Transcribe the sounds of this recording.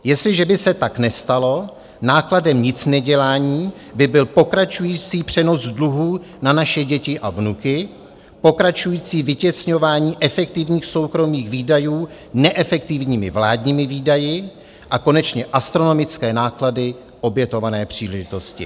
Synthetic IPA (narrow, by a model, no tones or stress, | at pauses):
jɛst̪lɪʒɛbɪsɛt̪aknɛst̪alo̞ | naːkladɛmɲɪt͡snɛɟɛlaːɲiː | bɪbɪlpo̞kɾat͡ʃujiːt͡siːpr̥ɛno̞zdluɦuːnanaʃɛɟɛcɪʔavnukɪ | po̞kɾat͡ʃujiːt͡siːvɪcɛsɲo̞vaːɲiːʔɛfɛk̚t̪ɪvɲiːxso̞wkɾo̞miːxviːdajuː | nɛʔɛfɛk̚t̪ɪvɲiːmɪ̰vlaːdɲiːmɪviːdajɪ | ʔako̞nɛt͡ʃɲɛʔast̪ɾo̞no̞mɪt͡skɛːnaːkladɪ | ʔo̞bjɛt̪o̞vanɛːpr̥iːlɛʒɪt̪o̞scɪ̰